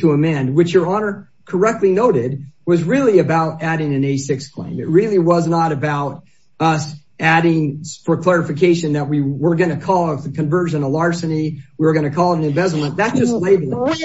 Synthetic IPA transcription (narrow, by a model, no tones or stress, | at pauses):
tʰəəmɛ̃nd̚wɨt͡ʃjə˞ɑnə˞ | kʰə˞ɛk̚tˡlinoʊɾɪd̚wʌzɹɪlˠiɨbaʊɾæɾɪ̃ŋɨ̃neɪsɪkskʰl̥ḛ̃ɪ̃mɨt̚ɹɪlˠiwʌznəɾɨbaʊɾ | ʌs | ʔæɾɪ̃ŋfə˞kʰl̥ɛɹɨfɨkʰeɪʃɨ̃nðət̚wiwə˞ɡʌnɨkʰɔlˠʌvðɨkʰɨ̃ɱvɜ˞zɨ̃nəlɑɹsɨniwiwə˞ɡʌnɨkʰɔlˠɾ̃nɨ̃nvɛzl̩ˠmə̃nðætsd̥ʒ̥ʌstˡleɪbl̩ˠ